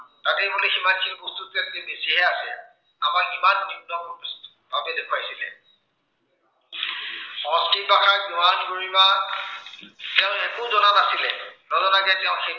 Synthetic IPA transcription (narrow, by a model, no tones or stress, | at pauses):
tatɛbuleximadkʰilkostutɛstibesiɦɛasɛ | a̰makimanːibnɔkɔs | babɛdekʰwajsilɛ̰ | ɔ̃skipakaɹɡuwankoɹiba | tɛʊ̃xɛkuzɔnanasilɛnɔzɔnakɛtɛʊ̃xe